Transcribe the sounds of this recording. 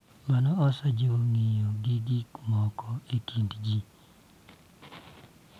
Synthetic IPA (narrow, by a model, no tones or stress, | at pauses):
manɔɔsad͡ʒoŋɪjoɡiɡikmɔkɔitindd͡ʒi